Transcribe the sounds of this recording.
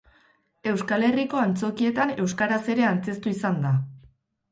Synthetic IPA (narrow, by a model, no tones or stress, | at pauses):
e̞wskale̞riko̞ant͡so̞kie̞t̪ane̞wskaɾase̞ɾe̞ant͡se̞st̪uisand̪a